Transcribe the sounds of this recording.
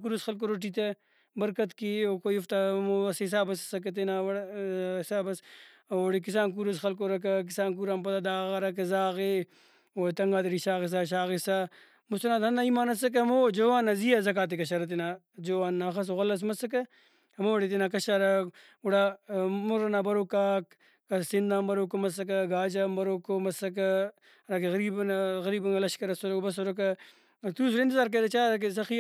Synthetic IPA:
k̬uɾɐsxɐlk̬oɾoʈ̬it̪e | bɐɾkɐt̪kiokojuft̪amoɐsis̬aːbɐssɐk̬et̪enaɐisaːbɐs | oɽikisaːnk̬uɾɐsxɐlk̬oɾɐkɐk̬isaːnkuɾaːmpɐt̪ad̪aːɣɐɾɐk̬ɐzaːɣe | oːt̪ɐŋɡaːd̪ɐɽiʃaːɣes̬aːɕ̬aːɣesa | must̪ɐnaːt̪ʰɐnd̪aimaːnɐsɐk̬eɐmoːd͡ʒoːwaːnːɐzijazɐk̬aːt̪̬ekɐɕɐɾɐt̪ena | d͡ʒoːaːnːaxɐs̬oɣɐlɐs̬mɐsɐk̬ɐ | hɐmoːɽet̪̬inakɐʃaɾɐ | uɽaːmuɾɐnaːbɐɾokaːkː | ɐsind̪aːmbɐɾoːkomɐs̬ɐk̬ɐɡaːd͡ʒambɐɾoːkomɐsɐk̬ɐ | ɾak̬eɣɐɾiːbɐnɣɐɾiːbɐŋɡɐlɐʃkɐɾɐsoɾokbɐsoɾok̬ɐ | t̪uːs̬uɾint̪izaːɾk̬eɾet͡ʃaːɾɐk̬es̬ɐxi

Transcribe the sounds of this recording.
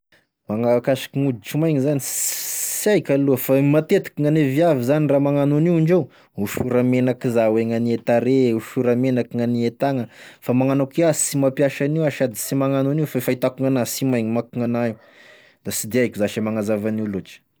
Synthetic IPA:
maŋakaʃi̥kiŋud̪it͡ʃumajɲizanissiajkʲaluəfamat̪et̪i̥kiŋaneviavizaniramaŋanuniiɳɖ͡ʐew | uʃuɾamenakizaweŋaniet̪aɾeuʃuɾəmenakiŋaniet̪aŋəfamaŋanakiasimapjaʃaniwaʃad̪isimaŋanuniwfaefait̪akuŋanasimajɲimakuŋanaiw | d̪̥asid̪eajkʲizaʃamaŋazavaniuloʈ͡ʂi̥

